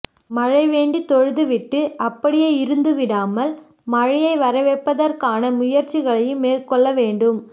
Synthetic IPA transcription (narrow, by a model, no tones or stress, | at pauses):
mɐɻɐɪʋeːɳɖit̪ɔɻɯðɯʋɪʈːɯʔɐpːɐɽɪjeːɪɾɯnd̪ɯʋɪɽaːmɐl | mɐɻɪjɐɪʋɐɾɐʋɛpːɐðɐɾkaːnɐmʊjɐɾt͡ʃɪɣɐɭɐjɯmːeːrkɔɭːɐʋeːɳɖɯm